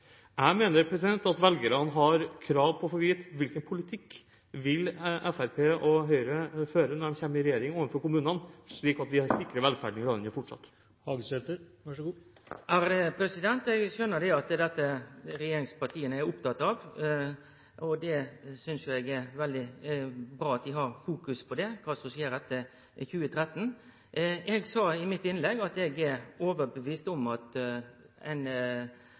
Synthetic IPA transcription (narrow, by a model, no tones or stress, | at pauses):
æɪmeːnəɾpʰɾɛsɪd̪ɛnt̪ɑt̪ʋɛlɡəɾɑnɦɑɾkʰɾɑːʋpʰɔfɔɾʋiːt̪ʋɪlkənpʰʊlɪt̪ʰɪkː | ʋɪlʔɛfæɾpʰeːʔɔɦœʏɾəføːɾənɔdɛmçɛmːəɪɾɛjeːɾɪŋoːʋənfɔɾkʊmʉːnənʂɭiːkɑt̪ʋ̪ɪhɑɾst̪ɪkːɾəɾʋɛlfæ̰ɖnɪɾɑːd̪ənəfɔʈʂɑ̰t̪ː | hɑɡsɛt̪əɾʋɑʂɡuːʔæɾd̪ɛpʰɾɛsɪd̪ɛnt̪ɛɡʃœnːəd̪ɛɑt̪d̪ɛt̪ːəɾɛjeːɾɪŋspɑʈ̪ʰiːənəæɾʊpt̪ʰɑt̪ːɑʋ | ɔd̪ɛsʏnsjʊɛɡæɾʋɛld̪ɪbɾɑːɑt̪̚d̪ɪɦɑɾfuːkʉspʰɔd̪ɛkʰɑːsɔmsiːəɾd̪ɛt̪ːə | çʉːət̪ʰɾɛt̪ːn̩ | ɛɡsɑːɪmɪt̪ːɪnlɛɡɑt̪ɛɡɛɾoːʋəɾbəʋiːst̪ɔmɑt̪ | ɛ̰ɪn